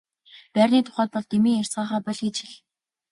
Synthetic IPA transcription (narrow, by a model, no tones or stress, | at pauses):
pærʲniːt̪ʰʊ̥χæːt̪̚pɔɮt̪emiːŋer̥ʲsɢaːχæːpɔɮxit͡ɕĭɮ